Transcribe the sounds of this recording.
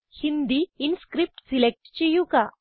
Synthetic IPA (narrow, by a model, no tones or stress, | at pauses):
hind̪iinskɾip̚ʈsilek̚ʈt͡ɕijuka